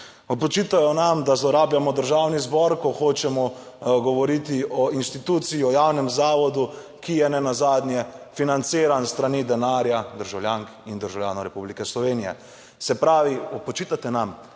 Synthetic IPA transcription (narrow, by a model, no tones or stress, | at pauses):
ɔpɔt͡ʃit̪ajɔnamd̪azlɔɾaːbljamɔd̪əɾʒaːwnizbɔɾkɔxoːt͡ʃɛmɔ | ɡɔʋɔɾit̪iɔinʃt̪it̪uːt̪siiɔjawnɛmzaːʋɔd̪u | kijɛnɛnazaːd̪nʲjɛfinant̪siːɾanst̪ɾanid̪ɛnaːɾjad̪əɾʒawljaŋkind̪əɾʒawljaːnɔɾɛpublikɛslɔʋeːnijɛ̰ | sɛpɾaːʋiɔpɔt͡ʃit̪at̪ɛnam